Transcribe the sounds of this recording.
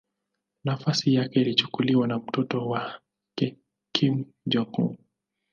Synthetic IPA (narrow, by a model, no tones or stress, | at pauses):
nafasijakɛilit͡ʃu̥kuliwanam̩tɔtɔwa | kɛ | kʰim | d͡ʒɔkṵ